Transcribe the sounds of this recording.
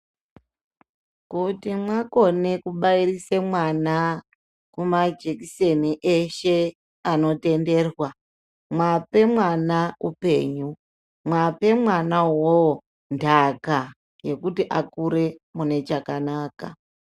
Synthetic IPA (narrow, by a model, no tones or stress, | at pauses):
kutimwako̞ne̞kuɓairisemwana | kumad͡ʒekise̞niʔeʃe̞ | ano̞te̞nde̞ːrwa | mwape̞mwanaupe̞̰ːɲu | mwape̞mwanawo | ndaka | je̞kutiʔakuɾe̞mune̞t͡ʃakanaːka